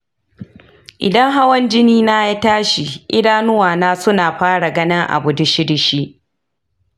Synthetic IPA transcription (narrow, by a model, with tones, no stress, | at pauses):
ʔɪ̰˨dɐ˦ŋɦa˦wɐ˦nd͡ʒɪ˦niː˦naː˦ja˦taː˦ʃi˨ʔɪ̰˦daː˦nʊ˦waː˨naː˦sʊ˦naː˨ɸaː˦ɽa˨ɡɐ˦nɪ˦ŋʔa̰˨bʊ˨dʊ˦ʃɪ˦dɪ˨ʃi˦ʔ